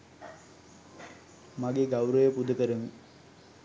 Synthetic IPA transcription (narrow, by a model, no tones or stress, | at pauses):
maɡeɡawɾəjəpud̪əkəɾəmi